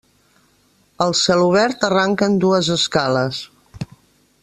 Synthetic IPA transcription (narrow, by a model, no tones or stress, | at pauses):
əlˠsɛluβ̞ɛɾt̪əraŋkənd̪uəzəskaləs